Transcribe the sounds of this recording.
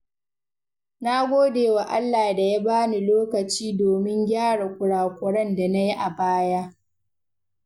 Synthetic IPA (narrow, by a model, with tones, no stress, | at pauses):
na˦ɡʷoː˦deː˨wa˨ʔa̰˦lːaː˨da˨ja˦baː˦ni˨loː˦kɐ˨t͡ʃiː˦doː˨mɪ˦ŋɡʲaː˦ɽa˨kʷʊ˨ɽaː˨kʷʊ˨ɽɐ˦nda˨na˦ji˦ʔa˨baː˦ja˦